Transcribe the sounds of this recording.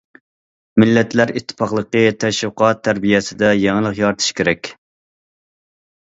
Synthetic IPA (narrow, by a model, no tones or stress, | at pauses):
mɪlːɛt̪ʰlæɾit̪ʰːɨ̥pʰɑχlˠəqət̪ʰɛʃwqʰɑt̪ʰːæɾbijɛsɪd̪ɛjɛŋəlˠəqjɑɾt̪ʰɨ̥ʃkʲʰeɾɛkʲ